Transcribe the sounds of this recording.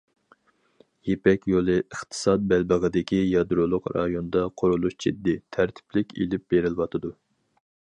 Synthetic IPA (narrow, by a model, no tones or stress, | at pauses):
jepɛkʲjolˠɨʔəχt̪ʰɨ̥sɑt̪̚bælbəʁəd̪ɪkʲʰijɑd̪ɾolˠʊqɾɑjond̪ɑqʰoɾulˠuʃd͡ʒḭd̪ːɪt̪ʰæɾt̪ʰɪ̥plɪkʲḛlɪp̚b̥eɾɪlwɑt̪ʰɨd̪u